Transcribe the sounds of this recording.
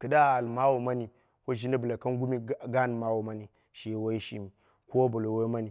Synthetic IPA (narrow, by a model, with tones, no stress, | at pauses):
kə˨da˦˨a˨lma˦wu˨ma˦ni˨ | ko˦ʒi˦na˦bə˨la˨ka˦ŋ˦ɡu˦mi˦ɡa˦n˨ma˦wo˨ma˦ni˨ | ʃi˨wa˦ji˦ʃḭ˦mi˨ | ko˦wa˦bo˨lo˨wo˦ma˦ni˨